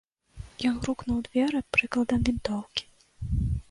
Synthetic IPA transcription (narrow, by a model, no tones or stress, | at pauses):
jɔnruknuwd̪vʲɛɾɨpɾɨklˠɐd̪ɐmd̪ʲint̪ɔwkʲi̥